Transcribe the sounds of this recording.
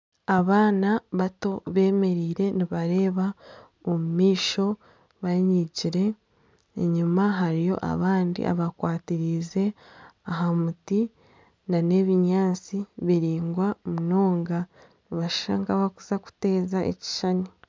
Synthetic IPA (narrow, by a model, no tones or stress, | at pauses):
aβaːnaβato̞βe̞ːme̞ɾiːɾe̞niβaɾe̞ːβa | omumiːʃo̞ | βaɲiɟiɾe̞ː | ɲumaɦaɾijo̞̰ʔa̰βaːndḭʔa̰βakwaːtiɾize̞aɦamuti | nane̞βiɲaːnt͡siβiɾiːŋɡwamuno̞ːŋɡa | niβaʃaŋkaβakuzaku̥te̞ːzaʔḛci̥ʃani